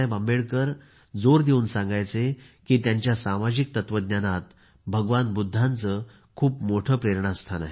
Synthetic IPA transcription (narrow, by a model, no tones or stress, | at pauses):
ajbambeɭkəɾ | d͡zoɾd̪euːnsãŋɡajt͡se | kiːt̪jaɲt͡ɕjasamad͡ʑik̚t̪ət̪ʋəd̪njanat̪ | bʱəɡʋanbud̪ʱːant͡sə | kʰuːpmoʈʰəːpɾeɾɳaəst̪ʰanaɦe